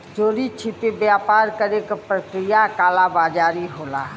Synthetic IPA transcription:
d͡ʒoːɾit͡ʃʰipibjaːpaːɾkəɾeːkpɾəkɾijakaːlabaːd͡ʒaːɾiɦoːla̰ː

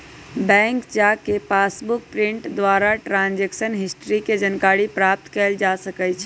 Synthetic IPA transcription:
bɛ̃ŋkt͡ʃakepasbuk̚pɾiɳʈd̪ʋaɾaʈɾãnd͡ʒeksənɦisʈɾiked͡ʒənkaɾipɾap̚t̪kɛld͡ʒasəkɛt͡ʃʰ

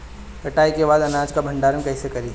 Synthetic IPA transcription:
kɐʈaːikebaːd̪ɐnãːd͡ʒkabʱɐ̃ɳɖaːɾənkɐːsekɐɾiː

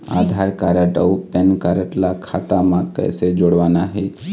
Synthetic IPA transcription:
a̰ːd̪ʱaːɾkaːɾəʈəupɛnkaːɾəʈlakʰaːt̪amãkɛ̰ːsed͡ʒoːɽʋaːnaɦɛː

